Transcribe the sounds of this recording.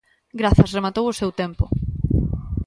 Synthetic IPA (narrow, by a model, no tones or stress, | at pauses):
ɡɾaθɐsremat̪owʊsewt̪empʊ